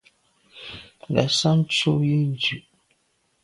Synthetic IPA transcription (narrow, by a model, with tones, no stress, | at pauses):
lɛ̰˨sa˦n˦t͡ʃo˦ji˦n˦d͡ʒʉ˨ʔ